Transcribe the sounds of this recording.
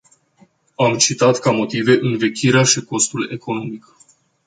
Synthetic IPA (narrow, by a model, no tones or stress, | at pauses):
amt͡ʃit̪at̪kamo̞t̪ive̞ʔɨnve̞kʲiɾeaʃiko̞st̪ule̞ko̞no̞mik